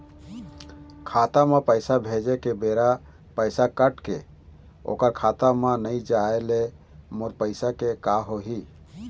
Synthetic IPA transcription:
kʰat̪amepəjsabʱed͡ʒekebeɾa | pəjsakəʈke | o̰kəɾkʰat̪amenəjd͡ʒaele | moɾpəɪsakekaɦoɦi

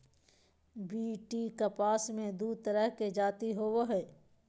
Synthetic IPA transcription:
biːʈikapaːsmẽd̪uːt̪əɾəɦked͡ʒaːt̪iɦoːwoɦɛː

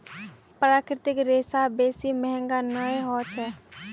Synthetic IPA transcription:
pɾaːkɾɪt̪ɪkɾeːsabeːsimɛɦɛ̃ŋɡanəeɦɔːt͡ʃɦɛː

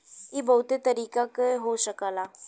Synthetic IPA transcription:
ibəʊt̪et̪əɾiːkakɦoːʃəkəlaː

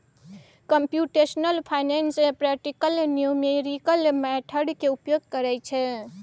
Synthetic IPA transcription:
kəmpjuʈesnəlpʰajnensepɾɛk̚ʈikəlnjumeɾikəlmɛʈʰəɖkeupjoɡ̚kəɾɛt͡ʃʰɛ

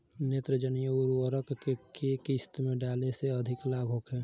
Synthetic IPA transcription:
neːt̪ɾəd͡ʒənijəuɾuəɾəkekekist̪mẽɖaːleseəd̪ʱɪklaːbʱɦoːkʰeː

